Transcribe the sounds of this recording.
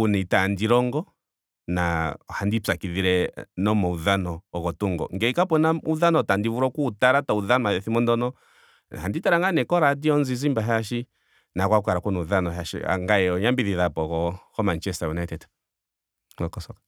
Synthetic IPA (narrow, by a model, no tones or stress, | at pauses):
unɛtandiɾɔŋɡɔ | na̰handit͡sakiðiɾɛnɔmɔuðanɔːkɔtuŋɡɔ̰ŋɡɛikap̬ɔnauðanɔtandivuɾɔkuːtaɾatauðanɔmaðɛθimɔndɔnɔ | handitaɾaŋɡanɛkɔɾadiɔnzizimbaɦaʃi | nakwakwaɾakunɛuðanɔɦaʃḭa̰ŋɡaɛɔɲambiðiðapɔkɔhɔmant͡ʃɛstajunajtɛt | ɔkɔsɔkḁ